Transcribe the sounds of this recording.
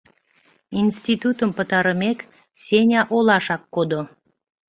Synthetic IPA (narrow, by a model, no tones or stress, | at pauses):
insʲt̪ʲit̪ut̪əmpə̆t̪ɑɾəmek | sʲenʲɑʔolɑʃɑkːod̪o